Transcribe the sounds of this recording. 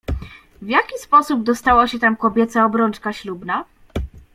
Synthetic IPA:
vʲjakʲispɔsub̚d̪ɔst̪awaɕɛt̪amkɔbʲjɛt̪saɔbɾɔnt͡ʂkaɕlubna

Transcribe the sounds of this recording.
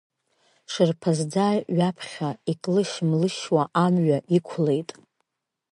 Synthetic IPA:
ʂɨrpʰazd͡zaːɥapʰχʲaikʼlɨʃmlɨʃwaʔamɥaʔikʷʰle̞jtʼ

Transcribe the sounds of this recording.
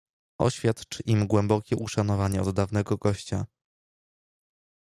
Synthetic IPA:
ʔɔ̰ɕfʲjat̪t͡ʂʔimɡwɛmbɔkʲɛʔuʂan̪ɔvaɲɛɔd̪ːavnɛɡɔɡɔɕt͡ɕa

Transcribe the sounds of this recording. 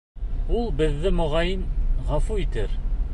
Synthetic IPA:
ulˠbɘ̆ðːɘmŏʁɑjinʁɑfuit̪ɘɾ

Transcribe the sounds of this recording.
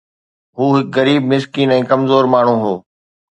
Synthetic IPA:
ɦuːɦɪkɣɐɾiːbmɪskiːnɛ̃ːkɐmzoːɾmaːɳ̤ũɦoː

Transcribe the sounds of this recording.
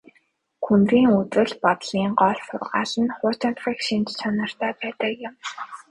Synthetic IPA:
xunriːŋut̪wɘ̆ɮpɔt̪ɮiːŋɢɔɮfʊ̰rʁa̰ːsə̆nχʊːt͡ɕant̪ĭkʃint̪t͡ɕʰanɞ̆r̥t̪ʰæːpæːt̪ə̆kjʊ̆m

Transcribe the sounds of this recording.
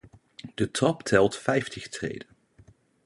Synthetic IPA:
d̥ətrɑptʰɛlˠtfɛjftʰɪχtrḛjdən

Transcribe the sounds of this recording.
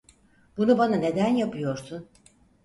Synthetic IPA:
b̥unubanane̞d̪ænjapʰɯjo̞ɾsun

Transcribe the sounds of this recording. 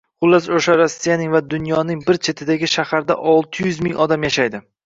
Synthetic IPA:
χʊlˠːasoʃaɾasːijanɪŋvad̪ʊnjɒnɪŋbɪɾt͡ʃʰe̞t̪ʰɪd̪aɡʲɪʃahaɾd̪aʔɒlˠt̪ʰɪjʉzmɪŋʔɒd̪amjaʃajd̪ɪ

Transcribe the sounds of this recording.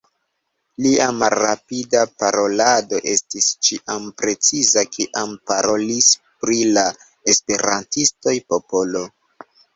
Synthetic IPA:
liamalːapidapaɾo̞lado̞ʔe̞stist͡ʃiʔampɾe̞t͡sizakʰiʔampaɾo̞lispɾila | e̞spe̞ɾantisto̞jpo̞po̞lo̞

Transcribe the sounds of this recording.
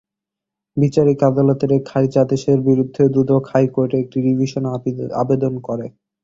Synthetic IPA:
bit͡ɕaɾikad̪olot̪eɾekʰait͡ɕad̪eʃeɾbiɾud̪ʱːed̪ɾud̪ʱokhajkoɾʈeek̚ʈiɖibʱiʃona̰bed̪onkɔɾe

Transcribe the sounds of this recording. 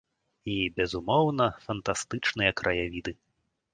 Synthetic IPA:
ibʲɛzumɔwnɐfɐnt̪ast̪ɨt͡ʂnɨjɐkɾʔɐjavʲid̪ɨ

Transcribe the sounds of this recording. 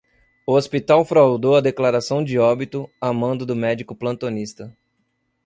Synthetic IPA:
ʊospit̪awfɾawd̪owɐd̪eklaɾasɐ̃w̃d͡ʒɪɔbit̪ʊamɐ̃nd̪ʊd̪ʊmɛd͡ʒikʊplɐ̃nt̪onist̪ɐ

